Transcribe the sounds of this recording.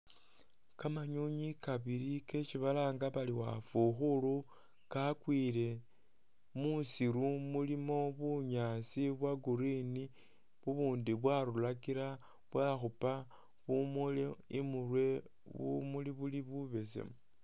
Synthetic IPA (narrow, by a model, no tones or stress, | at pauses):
kamaɲuɲikaβilike̞t͡ʃiβalaːŋɡaβaliwa̰fuxulu | kakwiːle̞ | musiɾumulimo̞βuɲasiβwaɡuɾini | βuβuːndiβwaɾulakiɾa | βwaxupa | βumuleimurwe̞ | βṵmuliβuliβuβe̞sḛm